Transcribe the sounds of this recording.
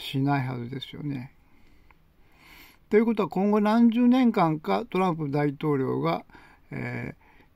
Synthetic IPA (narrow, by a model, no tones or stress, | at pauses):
ɕinaiɦa̰zɨd̪e̞sɨjo̰ne̞ | t̪o̞jɯ̟ko̞t̪oakõ̞ŋɡo̞nãɲd͡ʑɨːnẽ̞ŋkãŋkat̪o̞ɾãmp̬ɯd̪ait̪o̞ːɾʲo̞ːɡa | ḛː